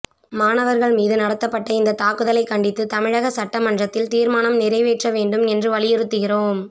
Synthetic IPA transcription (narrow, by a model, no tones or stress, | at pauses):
maːnɐʋɐɾɣɐɭmiːðɯnɐɽɐt̪ːɐpːɐʈːɐɪnd̪ɐt̪aːkɯðɐlɐɪkːɐɳɖɪt̪ːɯt̪ɐmɪɻɐɣɐsɐʈːɐmɐɳdrɐt̪ːɪlt̪iːɾmaːnɐmnɪɾɐɪʋeːʈrɐʋeːɳɖɯmɛndrɯʋɐɭɪjɛɾɯt̪ːɯɣɪroːm